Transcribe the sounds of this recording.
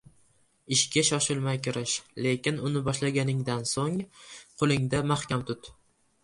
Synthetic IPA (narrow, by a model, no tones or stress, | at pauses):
ɪʃkʲaʃɒʃɪlˠmajkʲɪɾɪʃle̞kʲɪnʊnɪbɒʃlaɡʲanɪŋd̪ansoŋqʰʊlˠɪŋd̪amahkʲamt̪ʰʊt̪